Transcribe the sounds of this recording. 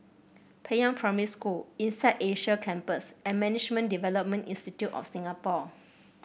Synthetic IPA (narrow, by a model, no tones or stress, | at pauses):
pʰɛjãŋpʰɹaməɹiskulĩnsaɪdeʃəkʰɛ̃mpəsʔɛ̃nmɛnid͡ʒmə̃ndivɛləp̚mə̃nĩnstitjutɔ̰fsĩŋapɔ